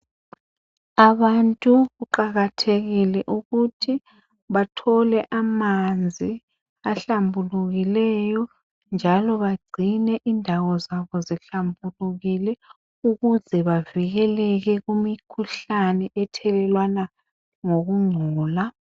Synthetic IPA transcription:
aβantʼuɣuǃaɣatʰeɣilɛʔuɣutʰi | βatʰɔlɛʔamand͡zʱi | aɬambʱuluɣilɛjɔ | nd͡ʒʱalɔβaɡ͡ǀʱinɛʔindʱawɔzaβɔziɬambʱuluɣilɛ | uɣuzɛβaviɣɛlɛɣɛɣumikʰuɬanɛʔɛtʰɛlɛlwana | ŋoɣuŋ͡ǀʱɔːla

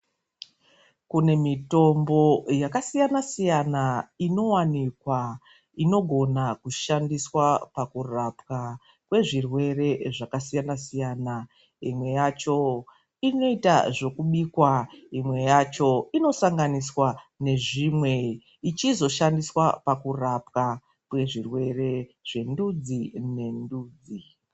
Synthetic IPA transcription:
kune̞mito̞mbo̞jakasijanasijanaino̞wanikwa | ino̞ɡʱo̞nakuʃandiswapakurapka | kwe̞ʐirwe̞re̞ʐakasijanasijaːna | imwe̞jat͡ʃo̞ | ino̞ita̰ʐo̞kuɓikwaimwe̞jat͡ʃo̞ino̞saŋɡaniswane̞ʐimwe̞ | it͡ʃizo̞ʃandiswapakurapka | kwe̞ʐirwe̞re̞ʐ̥e̞ndud͡zine̞nduːd͡zi

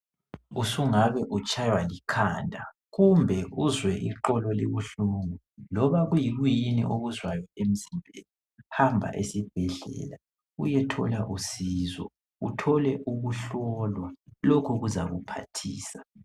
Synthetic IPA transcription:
usuŋaβɛʔut͡ʃʼajwalikʰandʱa | ɣumbʱɛʔuzwɛʔḭǃɔlɔlḛβuɬuŋu | lɔβaɣujiɣwijinḭʔoɣuzwajɔem̩zimbʱela | hambʱa̰ʔesib̥ʱɛɮɛ̰la | ṵjɛtʰɔ̰laʔusizɔ̰ | ṵtʰɔlɛʔuɣuɬɔlwalokʰuɣuza̰ɣupʰa̰tʰḭːsa

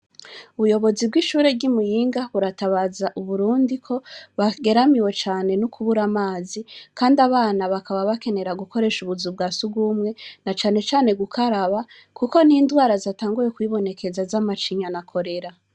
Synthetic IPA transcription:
uβujo̞βo̞zibɡiʃuːɾe̞bɡimujiːŋɡaβuɾataβazaʔuβuɾuːndikʰo̞βaɡe̞ɾamiwe̞t͡ʃaːne̞nukʰuβuɾamaːzikaːndaβaːnaβakaβaβake̞ne̞ɾaɡuko̞ɾe̞ːʃuβuzub̚ɡaːsuɡumŋe̞nat͡ʃaːne̞t͡ʃaːne̞ɡukʰaɾaβa | kuko̞niːndwaːɾazataːŋɡuje̞kwiːβo̞ne̞kʰe̞zazamat͡ʃiɲanakʰo̞ɾe̞ɾa

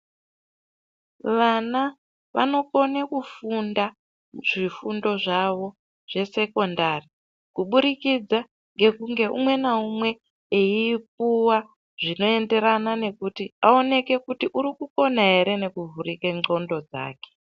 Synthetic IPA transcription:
ʋana | ʋa̰no̞ko̞nekufunda | ʐ̥ifundo̞ʐaʋo̞ | ʐ̥e̞se̞ko̞ndari | kuɓuɾikid͡za | ŋɡe̞kuŋɡe̞ʔṵmwe̞naumwe̞ | eiːp̚uwa | ʐ̥ino̞e̞nde̞ɾanane̞kutiao̞ne̞ke̞kutiʔuɾikuko̞naɦe̞ɾe̞ne̞kuvurikeŋ͡ǀo̞ndo̞d͡za̰ːke̥

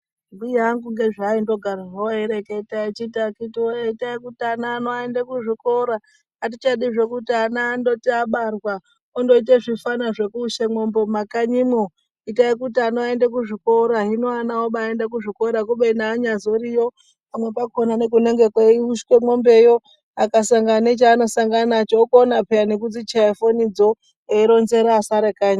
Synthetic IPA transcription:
mbujaŋɡuŋɡeʐaindo̞ɡʱaraʐoeɾeke̞tait͡ʃitakitioeitaikutianaːnoaendekuʐiko̞ɾa | at̬it͡ʃaɗiʐe̞kutianaːndotiaɓarwa | ondo̞it̬eʐifanaʐe̞kuʃemo̞mbo̞makaɲimo | itaikutianoaendakuʐiko̞ɾaɦinoanaoɓaendak̬uʐiko̞ɾakuɓeinaːɲazo̞ɾijo̞ | pamwe̞pakonanek̬une̞ŋɡekweiuʃkwemombe̞jo̞ | akasaŋɡanet͡ʃaːno̞saŋɡanat͡ʃaokoːnapeanek̬ud͡zit͡ʃaifonid͡zo̞ | eiɾo̞nze̞ɾaːsaɾekaːɲa

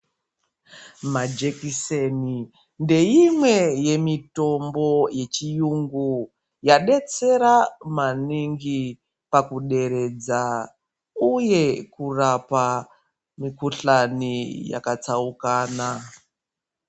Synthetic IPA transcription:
mad͡ʒekiseni | nde̞imwe̞je̞mito̞mbo̞je̞t͡ʃijuŋɡu | jaɗe̞t͡se̞ɾamaniŋɡi | pakuɗe̞ɾe̞d͡za | uje̞kurapa | mikuɬanija̰kat͡saukaːna

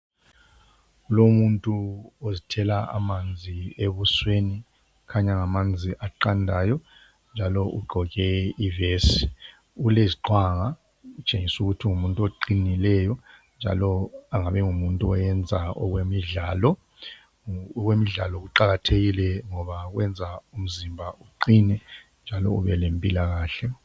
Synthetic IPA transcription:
ulomuntʼuozitʰɛlaa̰mand͡zʱieβusweni | kʰaɲaŋamand͡zʱiʔaǃandʱaːjɔ | nd͡ʒʱalɔʔṵɡ͡ǃʱɔɣɛivesi | uleziǃwaŋa | ut͡ʃʼeŋisuɣutʰiŋumuntʼuoǃinilɛjɔnd͡ʒʱa̰lɔaŋaβɛŋumuntʼuɔjɛnd͡zʱaɔ̰ɣwemiɮaːlɔ | ɣwemiɮalɔɣuǃaɣatʰeɣilɛŋɔβaɣwɛnd͡zʱaum̩zimbʱaʔuǃinɛ | nd͡ʒʱalɔ̰ṵβɛlempʼilaɣaːɬɛ

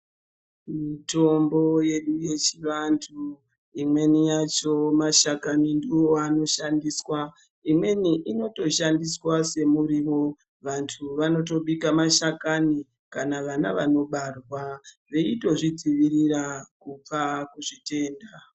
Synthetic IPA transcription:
mito̞mbo̞je̞ɗuje̞t͡ʃiʋantʰu | imwe̞nijat͡ʃo̞maʃakanindiwoano̞ʃandiswa | imwe̞niʔino̞to̞ʃandiswase̞muɾiʋo̞ | ʋantʰuʋano̞t̬o̞ɓikamaʃakani | kanaʋanaʋano̞ɓarwa | ʋe̞ito̞ʐid͡ziʋirirakup͡fakuʐite̞ːnda

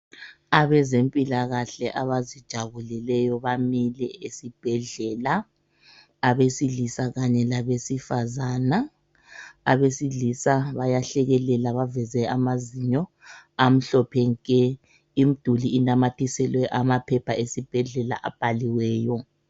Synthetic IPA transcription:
aβɛzempʼilaɣaɬɛʔaβazid̥ʒ̥ʱaβulɛlɛjɔβamilɛesib̥ʱɛɮɛla | aβesiɮisaɣaɲɛlaβesifazana | aβesiɮisaβajaɬɛɣɛlɛlaβavɛzɛamaziɲɔ | am̩ɬɔpʰɛŋkʼɛ | im̩d̥ʱuliːnamatʰisɛlwɛʔamapʰɛpʰaesib̥ʱɛɮɛla̰ʔa̰b̥ʱaliwɛːjɔ

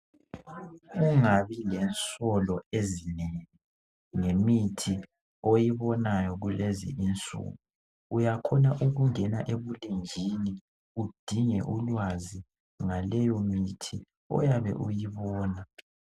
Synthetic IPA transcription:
uŋaβilɛnt͡sʼɔlɔezineŋi | ŋemitʰi | ojiβɔnajɔɣulezḭʔint͡sʼṵɣu | ujakʰɔnaʔuɣuŋɛnaʔeβulind͡ʒʱini | ud̥ʱiŋɛ̰ʔulwazi | ŋalɛjɔmitʰi | ɔ̰jaβɛ̰ʔujiβɔːna

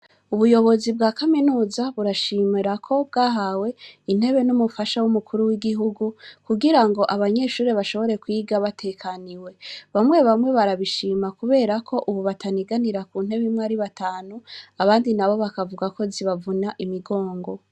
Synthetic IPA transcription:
uβujo̞βo̞zibɡaːkaminuːzaβuɾaʃimiɾakʰo̞b̚ɡaːɦawe̞in̥he̞βe̞numufaʃawumukʰuɾuwiɡiɦuɡukuɡiɾaŋɡo̞ʔaβaɲe̞ʃuːɾeβaʃo̞βo̞ɾe̞kwiːɡaβatʰe̞kʰaniwe̞βamŋe̞βamŋe̞βaɾaβiʃiːmakuβe̞ːɾakʰo̞ʔuβuβatʰaniɡaniɾakuːnhe̞βimŋwaɾiβataːnuaβaːndinaβo̞βakavuɡako̞ziβavunaʔimiɡo̞ːŋɡo̞

